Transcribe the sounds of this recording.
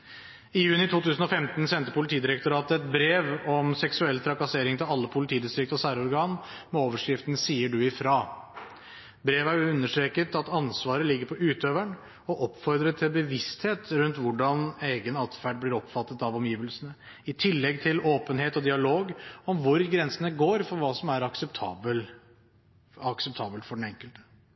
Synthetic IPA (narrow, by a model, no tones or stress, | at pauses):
ɪjʉːnɪt̪ʰuːt̪ʉːsən̩ɔfɛmt̪nsɛnt̪əpʊlɪt̪ʰiːd̪ɪɾɛk̚t̪ʊɾɑːt̪əɛt̪̚bɾeːʋɔmsɛksʉɛlːt̪ʰɾɑkɑseːɾɪŋt̪ʰɪlɑlːəpʰʊlɪt̪ʰiːd̪ɪst̪ɾɪk̚t̪ɔsæːɾɔɾɡɑːn | mɛoːʋəʂkɾɪft̪n̩siːəɖʉɪfɾɑː | bɾeːʋæjʊʉnːəʂʈ̪ɾeːkət̪ɑt̪ɑnsʋɑːɾəlɪɡːəɾpʰɔʔʉːt̪øːʋæɳ | ɔʔɔpːfɔɾd̪ɾət̪ʰɪlbəʋɪst̪heːt̪ɾʉnt̪ʋʊɖɑneːɡənɑt̪fæɖ̚blɪɾɔpfɑt̪ːət̪ɑʋɔmjiːʋəlsənə | ɪt̪ʰɪlːɛɡt̪ʰɪloːpənheːt̪ɔd̪ɪɑloːɡɔmʋʊɾɡɾɛnsənəɡoːɾfɔɾʋɑːsɔmæɾɑksəpt̪ʰɑːbəl | ɑksɛp̚t̪ʰɑːbəlfɔɖɛn̩ɛŋkəlt̪ə̥